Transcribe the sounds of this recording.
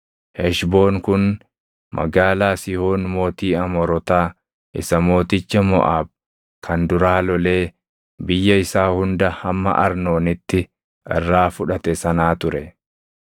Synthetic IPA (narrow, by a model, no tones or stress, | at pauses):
hɛʃbo̞ːŋkʊn | mʔɐ̰ɡaːlaːsɪhoːnmo̞ːt̪iːɐmɔɾɔt̪aː | ʔɪsɐmo̞ːt̪ɪt͡ʃːɐmɔ̰ʔaːb̚ | kʰɐnd̪ʊɾaːlɔle̞ː | bɪjːɐɪsaːhʊnd̪ɐhɐmːɐ̰ʔɐ̰ɾno̞ːnɪt̪ːɪ | ʔɛ̰rːaːfʊᶑɐt̪ɛsɐnaːt̪ʊɾɛ